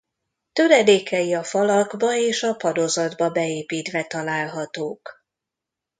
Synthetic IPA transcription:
t̪øɾɛd̪eːkɛjiɒfɒlɒɡbɒeːʃɒpɒd̪o̞zɒd̪bɒbɛeːpiːt̪ʋɛt̪ɒlaːlɦɒt̪oːk

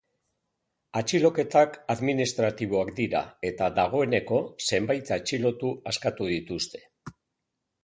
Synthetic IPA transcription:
at͡ʃilo̞ke̞t̪akaðminist̪ɾat̪iβ̞o̞akd̪iɾa̰e̞t̪aðaɣ̞o̞e̞ne̞ko̞se̞mbajt̪at͡ʃilo̞t̪uaskat̪uðit̪ust̪e̞̥

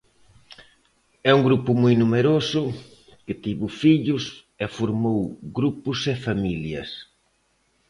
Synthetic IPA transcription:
ɛuŋɡɾupʊmujnumeɾosʊ | kɪt̪iβʊfiʎʊs | ɛfoɾmowɡɾupʊsɛfamiljɐ̰s

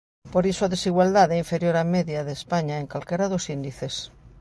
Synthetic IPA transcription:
poɾisoaðesiɣwald̪aðɛiɱfeɾjoɾameðjaðespaɲaeŋkalkeɾaðosind̪iθes

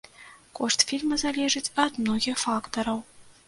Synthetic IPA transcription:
koʂt̪fʲilʲmɐzalʲeʐɨt͡sʲɐt̪mnoɣʲixfakt̪ɐɾɐw

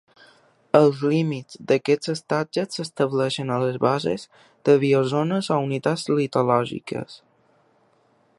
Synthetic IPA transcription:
əlˠzlimid͡zd̪əkɛt͡səst̪ad͡ʒəsːəst̪əβlɛʃənələzβazḛz | d̪əβiozonəzɔunit̪ad͡zlit̪olɔʒḭkə̰s

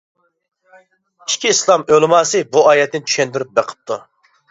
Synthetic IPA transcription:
i̥ʃkʲʰiːslˠɑmølɪmɑːsɨbuɑːjɛt̪ːɪnt͡ʃʰy̥ʃɛnd̪yɾyp̚beqʰə̥p̚t̪ʰu

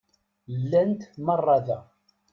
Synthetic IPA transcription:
lːænt̪mɑrˤːɑðæ

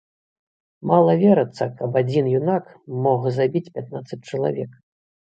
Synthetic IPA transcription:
malˠɐvʲɛɾɐt̪sːɐkɐbad͡zʲinjunak | mɔɣzabʲit͡sʲpʲat̪nat̪sɐt͡sʲt͡ʂɐlˠa̰vʲɛk

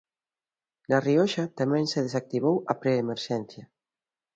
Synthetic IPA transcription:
nɐriɔʃat̪amɛ̃ŋseðes̬ak̚t̪iβowɐpɾeːmeɾʃɛn̟θjɐ

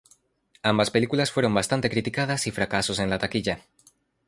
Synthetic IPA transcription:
ambaspelikulasfoɾombast̪ant̪ekɾit̪ikað̞asifɾakasosenlat̪akiʎa

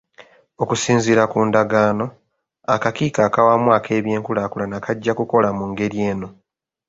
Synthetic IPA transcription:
o̞kusiːnziɾakuːndaɡaːno̞ | akakiːkaːkawamwaːkʰe̞ːβje̞ːŋkulakulanakaɟːakuko̞lamuŋɡe̞ɾje̞ːno̞

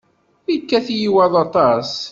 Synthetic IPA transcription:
ikːæθjiwæðˤɑt̪ˤɑs

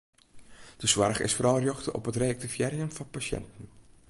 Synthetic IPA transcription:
d̥əswɑrχɪ̰sfəɾɑlˠərjɔxtəʔɔ̰pɦətreɑk̚tivjɛːɾiəmvɑnpasɛ̰ntən̩

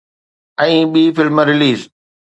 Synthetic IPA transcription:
ɛ̃ːɓiːfɪlmɾɪliːz

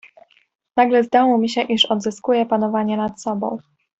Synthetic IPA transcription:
naɡlɛzd̪awɔmʲiɕɛʔiʂɔd̪zɘskujɛpanɔvaɲɛnat̪sɔbɔ̰̃w̃

